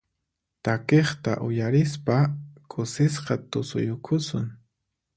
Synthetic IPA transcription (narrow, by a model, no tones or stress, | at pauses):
t̪akeχt̪a̰ʔʊjaɾɪspakʼʊsɪsqɑt̪ʊsʊ̰jʊkʰʊsʊŋ